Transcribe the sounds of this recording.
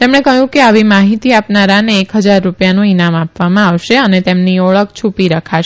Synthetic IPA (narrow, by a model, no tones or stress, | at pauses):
t̪emɽ̃ekəɦjũkeaʋimaɦit̪iapnaɾaneːkɦəd͡ʒaɾːupjanũinamapʋamãaʋʃeənet̪emniɔɭəkt͡ʃʰupiɾəkʰaʃe